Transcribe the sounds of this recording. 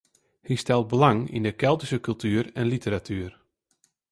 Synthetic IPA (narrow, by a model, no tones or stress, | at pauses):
histɛlˠt̚bəlaŋḭndəkɛlˠtisəkʉlˠtyːɾɛnlitəɾatʰyːr